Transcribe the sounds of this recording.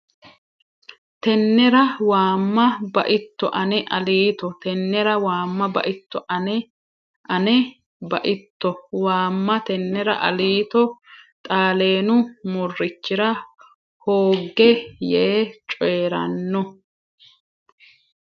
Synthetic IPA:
t̪ɛnːɛɾɐwaːmːɐbɐ̰ʔɪt̪ːɔʔɐnɛʔɐliːt̪ɔt̪ɛnːɛɾɐwaːmːɐbɐ̰ʔɪt̪ːɔʔɐnɛ | ʔɐnɛ | bɐʔɪt̪ːɔwaːmːɐt̪ɛnːɛɾɐ̰ʔɐliːt̪ɔt̪ʼaːleːnʊmʊrːɪt͡ʃːɪɾɐ | hoːɡːɛjeːt͡ʃʼɔɾɐ̰nːɔ

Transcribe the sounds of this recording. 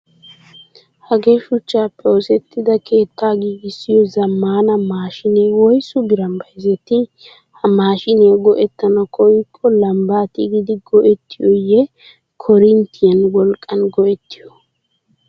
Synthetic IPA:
hɐɡe̞ːʃʊt͡ʃːaːpʼːoːsɛt̪ʰːɪd̪ɐkʰe̞ːt̪ːaːɡiːɡɪsːɪjɔzɐmːaːnɐmaːʃɪnewɔjsʊbɪɾɐmbɐjzɛt̪ɪ | hɐmaːʃɪneːɡɔʔɛt̪ːɐnɐkʰɔjkʼːɔlɐmbaːt̪ɪɡɪd̪ɪɡɔʔɛt̪ːɪjɔjɛ | kʰɔɾɪnt̪ɪjɐnwɔlkʼːɐnɡɔʔɛt̪ːɪ̥jɔ

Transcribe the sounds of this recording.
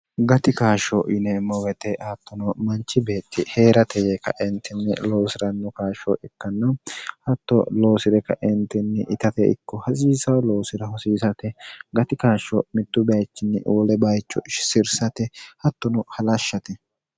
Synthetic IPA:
ɡɐt̪ɪkaːʃɔʔɪnɛmɔwɛt̪ɛhɐt̪ːɔnɔmɐnt͡ʃːɪbeːt̪ːɪheːɾɐt̪ɛjɛkɐ̰ʔɪnt̪ːɪnːɪ̰lo̞ːsɪɾɐnːɔkaːʃɔ̰ʔɛkːɐnːɐwhɐt̪ːɔ̰lo̞ːsɪd̪ɛkːɐʔɪnt̪ɪnːɪʔɪt̪ɐt̪ɛɪ̰kːɔhɐs̬iːsɐwlo̞ːsɪɾɐhɔsiːsɐt̪ɛɡɐt̪ɪkaːʃːɔmɪt̪ːʊbɐjt͡ʃːɪnːɪ̰ɔlɛbɐjt͡ʃːɔ̰ʃsɪɾsɐt̪ɛhɐt̪ːɔnɔhɐlɐʃːɐt̪ɛ

